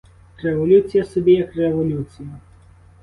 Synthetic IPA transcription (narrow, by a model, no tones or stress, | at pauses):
rɛʋɔlʲut͡sʲijɐsɔbʲijɐkrɛʋɔlʲut͡sʲijɐ